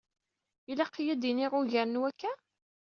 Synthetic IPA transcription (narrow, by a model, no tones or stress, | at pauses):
ilæqːijæd̪iniʁʊʝæɾənwækːæ